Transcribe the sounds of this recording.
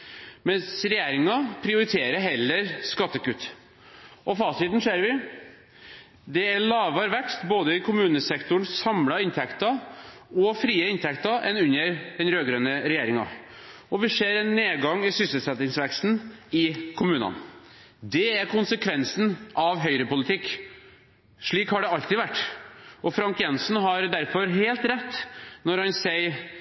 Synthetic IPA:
mɛnsɾɛjeːɾɪŋɑpʰɾɪʊɾɪt̪ʰeːɾəɾɦɛlːəɾskɑt̪ːəkʉt̪ː | ʔɔfɑːst̪ɪt̪n̩ʂeːɾʋɪ | d̪ɛæɭɑːʋɑɾʋɛkst̪boːd̪əɪkʰʊmʉːnəsɛkt̪ʊɳsɑmlɑɪnt̪ʰɛkt̪ɑɔfɾiːəɪnt̪ʰɛkt̪ɑʔɛ̰nʉnːəɾd̪ɛnɾøːɡɾœnəɾɛjeːɾɪŋɑ̰ | ɔʋɪseːɾɛnːeːɡɑŋɪsʏsəlsɛt̪ɪŋsʋɛkst̪n̩ɪkʰʊmʉːnɑ̰n | d̪ɛæɾkʰʊnsəkʰʋɛnsn̩ʔɑʋɦœʏɾəpʊlɪt̪ʰɪkː | ʂɭiːkhɑɖɛɑlt̪ɪʋæʈːʔɔfɾɑŋkjɛnsn̩ɦɑɾd̪æɾfɔɾɦeːlt̪ɾɛt̪ːnɔɾhɑnsɛɪ

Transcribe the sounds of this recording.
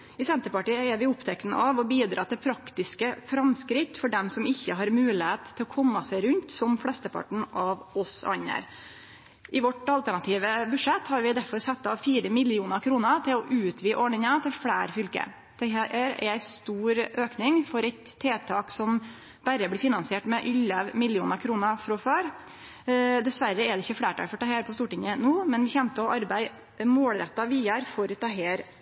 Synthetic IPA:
ɪsɛnt̪əɾpɑʈiːəɛɾʋɪʊpt̪ʰɛkt̪nə̰ʔɑʋɔbiːd̪ɾɑ̰ːt̪ʰɪlpʰɾɑkt̪ɪskəfɾɑmskɾɪt̪ːfɔɖɛmsɔmɪçːəɦɑɾmʉːlɪheːt̪ʰːɪlɔkʰɔmːɑsæɪɾʉnt̪sɔmflɛst̪əpʰɑ̰ʈɳ̩ʔɑʋɔsɑ̰ɲːə̰ɾ | ʔɪʋɔʈɑlt̪æɳɑt̪ʰiːʋəbʉʂɛt̪ːhɑɾʋɪd̪æɾfɔɾsɛt̪ːɑfiːɾəmɪlɪuːnəɾkʰɾuːnət̪ʰɪlɔʔʉːt̪ʰʋiːʔɔɳɪŋət̪ʰɪlfɽæːɾfʏlkə̰ | t̪ʰɛhæʔːɾæ̰æɪst̪uːɾøːknɪŋfɔɾɛɪt̪ʰːeːt̪ʰɑːksɔm | bæɾəblɪɾfɪnɑnsɪeːʈmɛʔʏləʋmɪlɪuːnəɾkʰɾuːnəfɾɔføːɾ | d̪ɛsʋæɾəɛd̪ɛɪçːəfɽeːʈʰɑ̰ːɡfɔʈɑːheːɾpʰɔst̪uːʈɪŋənuːmɛnʋɪçɛmt̪əɔʔɑɾbæɪ | moːlɾɛt̪ːɑʋiːɑɾfɔɾt̪ʰɑɦeːɾ

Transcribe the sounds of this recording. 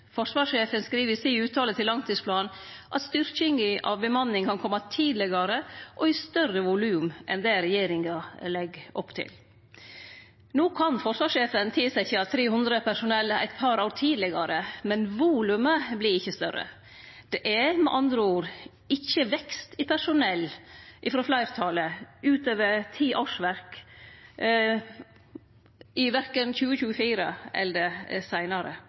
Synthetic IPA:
fɔʂʋɑːʂeːfənskɾiːʋəɪsiːʉːt̪ʰɑːlət̪ʰɪlːɑŋt̪ʰiːspʰlɑːn | ʔɑt̪st̪ʏɾçɪŋɡəʔɑ̰ʋbəmɑnːɪŋkʰɑnkʰɔmːɑt̪ʰiːd̪lɪɡɑɾəʔɔɪst̪œrəʋʊlʉːmʔɛ̰nd̪ɛɾɛjeːɾɪŋɑlɛɡʔɔpːt̪ʰɪ̰l | noːkʰɑnfɔɾʂʋɑːʂeːfənt̪ʰɪːsæçəɑt̪ʰɾeːhʉnd̪ɾəpʰæʂʊnɛlːæ̰ɪt̪pʰɑɾɑʊɾt̪ʰiːd̪lɪɡɑɾəmɛnʋuːlʉməblɪɾɪçːəst̪œ̰ɾə̰ | d̪̥ɛʔɛmɛ̰ʔɑnd̪ɾəuːɾ | ɪçːəʋɛkst̪ɪpʰæʂʊnɛlːʔɪfɾoːflæɪɾt̪ʰɑləʉːt̪øːʋəɾt̪ʰiːʔoːʂʋæɾk | ɪʋæɾkənçʉːəçʉːəfiːɾə̰ɛ̰ld̪ɛsæɪnɑɾə̰

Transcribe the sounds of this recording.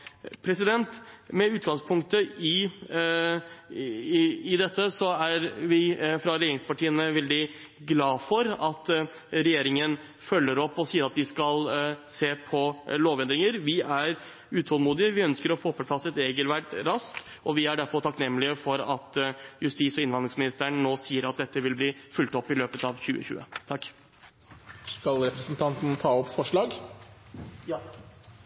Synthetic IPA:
pʰɾɛsɪd̪ɛnt̪mɛʉːt̪̚ɡɑŋspʰʊŋkt̪əɪ | ɪd̪ɛt̪ːəsɔæɾʋɪfɾɑɾɛjeːɾɪŋspɑʈʰiːənəʋɛld̪ɪ | ɡlɑːfɔɾɑt̪ | ɾɛjeːɾɪŋən | fœlːəɾɔpːɔsiːəɾɑt̪d̪ɪskɑlseːpʰɔloːʋɛnd̪ɾɪŋəɾʋɪæɾ | ʉːt̪ʰɔːlmuːd̪ɪəʋɪœnskəɾɔfoːpʰɔpʰlɑsɛt̪ɛɡəlʋæɖɾɑst̪ | ʔɔʋɪæɖæɾfɔɾʈ̪ʰɑknɛmːlɪəfɔɾɑt̪jʉst̪iːsɔɪnʋɑnd̪ɾɪŋsmɪnɪst̪ʰæɾɳnoːsiːəɾɑt̪̚d̪ɛt̪ːəʋɪlbliːfʉlt̪ɔpːɪløːpət̪ɑːʋçʉ̰ːə̰çʉ̰ːə̰t̪ʰɑkː | skɑlɾɛpɾəsnt̪ʰɑnt̪n̩t̪ʰɑːɔpfɔʂɭɑːɡ

